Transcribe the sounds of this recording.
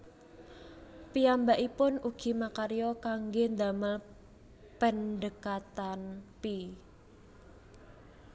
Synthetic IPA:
piambaʔipʊnuɡ̥i̤makaɾjɔkaŋɡend̪aməl | pənd̪əkat̪anpi

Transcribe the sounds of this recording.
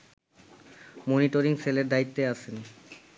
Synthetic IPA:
moniʈoɾiŋseleɾd̪ait̪ːeaʃʰeni

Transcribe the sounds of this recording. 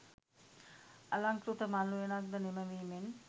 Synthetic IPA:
ɐlaŋkɾut̪əmanlujenak̚d̪əneməʋimen

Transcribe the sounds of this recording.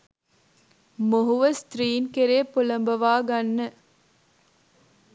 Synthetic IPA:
moɦuʋɐst̪ɾiːnkeɾeːpolɐmbɐʋaːɡɐnːə

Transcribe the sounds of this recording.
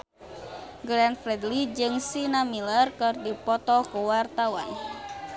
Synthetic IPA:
ɡɾanfɾɛd̪lid͡ʒɨŋsinamilərkɨrdipɔt̪ɔkuwart̪awa̰n

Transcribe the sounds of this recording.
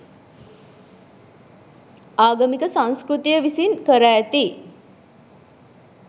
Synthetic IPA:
aːɡəmikəsãŋskrut̪ijəʋisinkəɾaːt̪i

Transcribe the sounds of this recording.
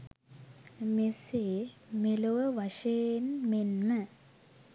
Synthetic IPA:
mesemeloʋɐʂenmenːɐ

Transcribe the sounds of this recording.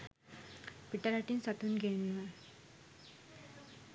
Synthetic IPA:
piʈːɐɾaʈːinsɐt̪unɡenma

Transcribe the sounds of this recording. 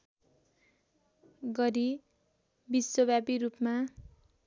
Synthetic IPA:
ɡʌɾi | biswʌbʱabiɾupma

